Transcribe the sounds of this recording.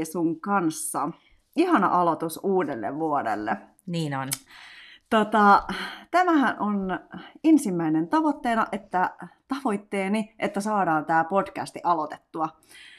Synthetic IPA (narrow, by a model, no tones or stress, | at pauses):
suŋkɑnsːɑ | iɦɑnɑ̰ʔɑlot̪usuːdelːḛʋʋuodḛlːe | niːnon | t̪ot̪ɑt̪æmæɦænʔonensimːæinent̪ɑʋo̞t̪ːe̞ːnɑʔet̪ːæt̪ɑʋo̞it̪ːeːniʔet̪ːæsɑːdɑːnt̪æːpo̞d̥kæ̰st̪iʔɑlot̪e̥t̪ːuɑ